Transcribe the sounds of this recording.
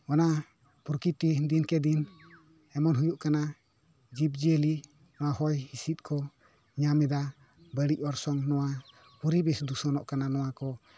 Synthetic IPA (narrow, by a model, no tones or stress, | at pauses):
ɔna | puɾkit̪id̪inkɛd̪in | ɛmɔnɦujuʔkana | d͡ʒip̚d͡ʒiəli | nɔwahɔjhisit̪̚ˀkʰɔ | ɲamɛd̪a | bəɽic̚ˀɔɾsɔŋnɔwa | puɾibɛsd̪usɔnɔʔkananɔwakɔ